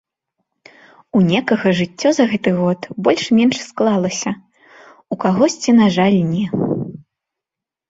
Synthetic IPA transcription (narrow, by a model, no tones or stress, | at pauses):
unʲɛkɐɣɐʐɨt͡sʲːɔzɐɣɛt̪ɨɣɔt̪bɔlʲʂmʲɛnʂsklˠalˠɐsʲɐ | ukaɣɔsʲt͡sʲinaʐalʲnʲɛ